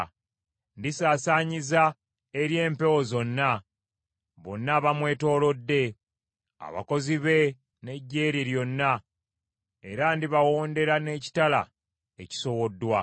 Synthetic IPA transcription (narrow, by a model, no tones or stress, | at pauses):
ndisaːsaːɲiza | e̞ɾje̞ːmpe̞wo̞zo̞nːa | βo̞̰nːaβamwe̞ːto̞ːlo̞dːe̞ | a̰βa̰ko̞ziβe̞ | ne̞ɟːe̞ːɾiɾjo̞nːa | e̞ɾandiβawo̞ːnde̞ɾane̞ːci̥tala̰ | eci̥so̞wo̞dːwa